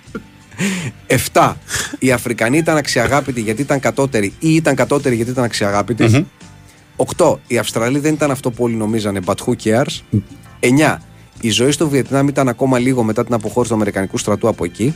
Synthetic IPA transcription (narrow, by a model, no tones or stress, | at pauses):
e̞ft̪ɐiɐfɾikɐniit̪ɐnɐksiɐɣɐpit̪iʝɐt̪iit̪ɐŋkɐt̪o̞t̪e̞ɾiiit̪ɐŋkɐt̪o̞t̪e̞ɾiʝɐt̪it̪ɐnɐksiɐɣɐpit̪is | o̞kt̪o̞iɐfst̪ɾɐliðe̞nit̪ɐnɐft̪o̞puo̞lino̞mizɐnebɐt̪xuceɐɾse̞ɲɐ | izo̞ist̪ovie̞t̪inɐmit̪ɐnɐko̞mɐliɣo̞me̞t̪ɐt̪inɐpo̞xo̞ɾist̪uɐme̞ɾikɐnikust̪ɾɐt̪uɐpo̞e̞ci